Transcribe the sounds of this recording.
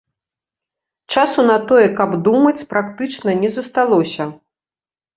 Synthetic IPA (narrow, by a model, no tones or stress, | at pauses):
t͡ʂasunɐt̪ɔjɛkɐbd̪umɐt͡sʲpɾakt̪ɨt͡ʂnɐnʲɛzɐst̪alˠɔsʲɐ